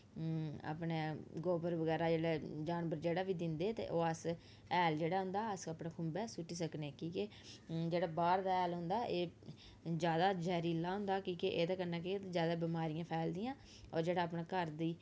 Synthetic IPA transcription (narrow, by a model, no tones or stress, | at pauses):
a̰ːpneːɡoːpəɾʋəɡɛːɾaːd͡ʒeːɽaːd͡ʒaːnbəɾd͡ʒeːɽaːʋiːd̪ɪnd̪eːt̪ḛːʔoːəs | ɛːld͡ʒeːɽaːɦʊ̃nd̪aːəsəpnãːkʰʊmbɛːsʊʈːiːsəkneːkiːkɪ | d͡ʒeːɽaːbaːɾd̪aːɛːlɦʊ̃nd̪aːʔeː | d͡ʒjaːd̪aːd͡ʒɛːɾiːlaːɦʊ̃nd̪aːkiːkɪʔeːt̪aːkənːãːkeːt̪ed͡ʒjaːd̪aːbɪmaːɾijãːpʰɛːld̪ɪjãː | ɔ̰ːɾd͡ʒeːɽaːəpnaːkəɾd̪iː